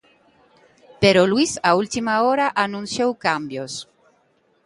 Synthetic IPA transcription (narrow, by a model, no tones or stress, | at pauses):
peɾolwisault̪imaɔɾaʔanũnsjowkambjos